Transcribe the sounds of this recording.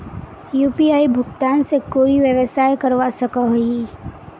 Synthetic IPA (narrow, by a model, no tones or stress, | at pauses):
juːpiaːibʱʊɡt̪aːnsekoːiʋjəʋəsaːjkəɾʋasɐkaɦoi